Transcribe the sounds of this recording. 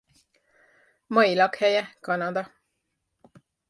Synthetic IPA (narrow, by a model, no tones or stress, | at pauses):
mɒjilɒkhɛjɛkɒnɒd̪ɒ